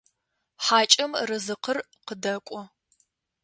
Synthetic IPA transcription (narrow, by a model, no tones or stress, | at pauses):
ħaːt͡ʃʼɐmrɨzɨqʰər | qədɐkʷʼɔ